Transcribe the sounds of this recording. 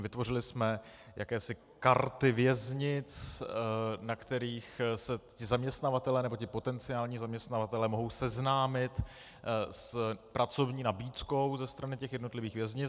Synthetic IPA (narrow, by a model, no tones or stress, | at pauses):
vɪt̪vo̞rɪlɪsmɛja̰kɛːsɪ | kaɾt̪ɪvjɛzɲɪt͡s | nakt̪ɛɾiːxsɛcɪzamɲɛst̪navat̪ɛlɛːnɛbocɪpo̞t̪ɛnt͡sɪaːlɲiːzamɲɛst̪navat̪ɛlɛːmo̞ɦo̞wsɛznaːmɪt̪ | spɾʔat͡so̞vɲiːnabiːt̪ko̞wzɛst̪ɾanɪcɛxjɛdno̞t̪lɪviːxvjɛzɲɪ